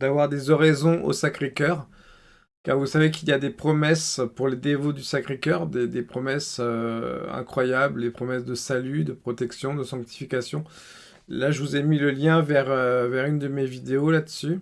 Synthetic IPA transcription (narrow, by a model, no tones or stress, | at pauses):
d̪̥avwaʁd̪ezɔʁezɔ̃ʔo̰sakχekʲœʁ | kaʁvusavek̬iljad̪epχɔmɛspuʁled̪evod̪ysakχekʲœʁd̪ed̪epχɔmɛsøɛ̰̃kχwajabld̪epχɔmɛsd̪əsalyd̪əpχɔt̪ɛksjɔ̃d̪əsɑ̃k̚t̪i̥fikasjɔ̃ | laʒəvuzɛmiləljɛ̃vɛʁøvɛʁynd̪əmevid̪eolad̪əsy